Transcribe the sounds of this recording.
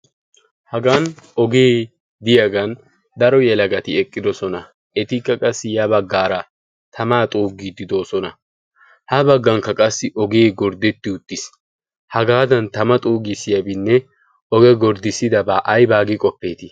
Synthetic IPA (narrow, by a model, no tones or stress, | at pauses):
hɐɡɐnɔɡeː | d̪ɪjɐɡɐn | d̪ɐɾɔjɛlɐɡɐt̪ɪɛkʼːɪd̪ɔsɔnɐ | ʔɛt̪ɪkːɐkʼɐsːɪjɐbɐɡːaːɾɐ | t̪ʰɐmaːt̪ʼuːɡid̪ɪd̪o̞ːsɔnɐ | hɐbɐɡːɐŋkːɐkʼɐsːɪʔɔɡeːɡɔɾd̪ɛt̪ːɪʊt̪ːɪs | hɐɡaːd̪ɐnt̪ɐmɐt̪ʼuːɡɪsɪjɐbɪnːɛ | ɔɡɛɡɔɾd̪ɪsːɪd̪ɐbaːʔɐjbaːɡɪkʼɔpːe̞ːt̪ɪ